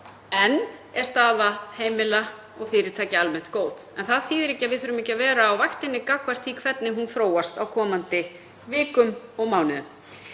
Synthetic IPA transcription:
ɛnɛɾ̥st̪aːðaheːjmɪla | ɔɣfɪːɾɪɾ̥t̪ʰaːcɪalmɛht̪koːwðɛnθaðθiːðɾɛcɪavɪðθʏːɾʏmɛhcːavɛːɾaːwvajxt̪ɪnːɪkakʰvar̥t̪ʰikʰvɛt̪nɪɦunθɾoːwast̪awkʰɔːmant̪ɪ | vɪːkʏmɔɣmawnɪðʏm

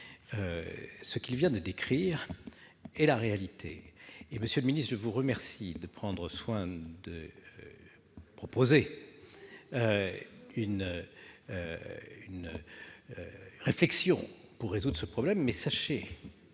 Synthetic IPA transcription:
øsəkilvjɛ̃d̪əd̪ekχiʁ | ɛlaʁealit̪ʰḛːməsjøləminist̪ʒəvuʁəmɛʁsid̪əpχɑ̃d̪ʁəswɛ̃d̪ə | pχɔpoze | ø | yn | yn | ʁeflɛksjɔ̃puʁːezud̪ʁəsəpχɔblɛmːɛsaʃe

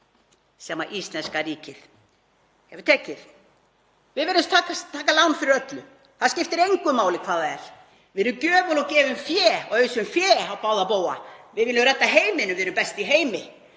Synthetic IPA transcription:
sɛːma̰ʔist̪lɛnskariːcɪθ | hɛvʏ̥ɾ̥t̪ʰɛːcːɪθ | vɪðvɪɾɪmst̪ʰaːkast̪ʰːaːkalawnfɪɾɪɾœt̪lʏ | θaðscɪft̪ɪɾejŋkʏmaːwlɪkʰv̥aːðaɛɾ̥ | vɪɾʏmcœːvʏlɔcɛːvʏmfjɛːɔɣœɥsʏmfjɛːhawpaːwðapoːwa̰vɪðvɪlʏmrɛt̪ːaɦeːjmɪnʏmvɪɾʏmpɛst̪iɦeːjmɪ

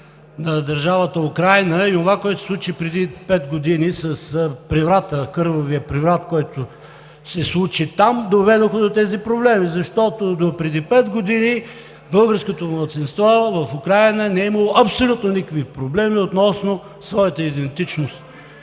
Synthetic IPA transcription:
nɐd̪ɐɾʒavət̪əʊkɾajnəionovakoɛt̪osˠut͡ʃipɾɛd̪ipɛd̪ɡod̪inisɐspɾivɾat̪əkɤɾvoviəpɾivɾat̪kɔjt̪ʊ | sɛslˠut͡ʃit̪amd̪ovɛd̪oxəd̪ot̪ɛzipɾoblɛmizɐʃt̪ɔt̪od̪opɾɛd̪ipɛd̪ɡod̪ini | bɤlˠɡəɾskot̪omlˠət̪sinst̪vɔvɐfʊkɾajnənɛimɐlˠoʔɐpsolʲut̪nonikəkvipɾoblɛmiot̪nɔsno | svɔjɐt̪əid̪ɛnt̪it͡ʃnost̪

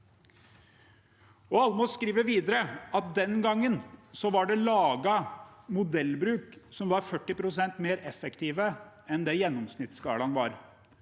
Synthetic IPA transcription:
ɔɑlmɔskɾiːʋəɾʋiːd̪əɾəɑt̪̚d̪ɛnɡɑŋːənsɔʋɑɖɛlɑːɡəmʊd̪ɛlːbɾʉːksɔmʋɑɾfœʈːɪpɾʊsɛnt̪meːɾɛfɛkt̪ʰiːʋə | ɛnd̪ɛjɛnːɔmsnɪt̪skɑ̰ːlɑnʋɑ̰ɾ

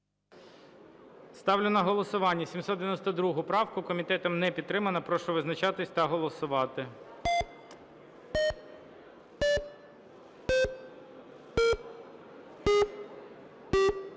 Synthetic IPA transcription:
st̪ɑwlʲʊnɐɦɔlˠɔsʊʋɑnʲːɐsʲimsɔd̪d̪eʋʲjnɔsʲt̪ɔd̪ɾuɦʊpɾɑwkʊkɔmʲit̪ɛt̪ɔmnɛpʲid̪̚t̪ɾɪmɐnɐpɾɔʃɔʋɪznɐt͡ʃɑt̪ɪsʲt̪ɐɦɔlˠɔsʊʋɑt̪ɪ

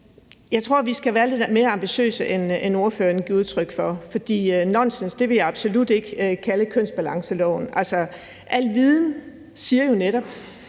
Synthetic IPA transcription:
jɑ̈ɪt͡sʰʁo̝ɐ̰ʋisɡ̥æʋæːɐle̝d̥dme̝ːɐɑ̈mb̥iɕø̰ːsəʔeneno̝ɐføːɐnɡ̥iuð̞ˠt͡sʰʁœɡ̥fɒ̽fɒ̽d̥ḭːnɒnsensd̥e̝ʋe̝ljɑ̈ɑ̈b̥so̝lud̥e̝ɡ̥əkʰæləkʰøn̰sb̥ælɑ̈ŋsəlɒʊn̩ʔælsɒ | ʔæl̰ʋið̞ˠn̩ | siːɐjoneɾ̥ɒ̽b̥

